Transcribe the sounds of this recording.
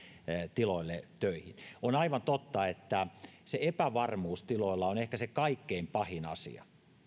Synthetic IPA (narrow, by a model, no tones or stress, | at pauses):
t̪iloilːet̪øihinonɑiʋɑnt̪ot̪ːɑet̪ːæseepæʋɑrmuːst̪iloilːɑonehkæsekɑikːeimpɑhinɑ̰sḭɑ̰